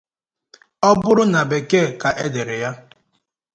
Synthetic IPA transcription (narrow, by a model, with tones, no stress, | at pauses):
ɔ˦bʊ˦ɾʊ˦na˨be˨ke˦˨ka˨ʔe˦de˨ɾɪ˨ja˦